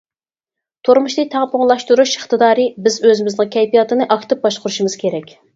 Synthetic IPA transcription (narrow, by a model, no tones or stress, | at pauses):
t̪ʰoɾmuʃlɨt̪ʰɑʁpoŋlˠɑʃt̪uɾuʃəχt̪ɨd̪ɑːɾɨbɪzøzɪmɪznɨŋkʲʰɛjpijɑt̪ɨnɨʔɑkʰt̪ɨp̚bɑʃqʊɾuʃmɨz̥kʲʰeɾɛkʲ